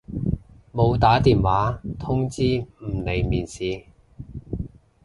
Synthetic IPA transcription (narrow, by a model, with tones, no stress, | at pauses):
mo˨˧wt̪aː˨˥t̪iː˨nwaː˨˥t̪ʰʊ˥ŋt͡siː˥m̩˨˩ne˨˩jmiː˨nsiː˨˧